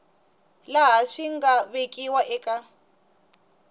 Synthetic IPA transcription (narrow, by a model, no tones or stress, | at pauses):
laɦaʂiŋɡaβekʼiwaʔɛkʼa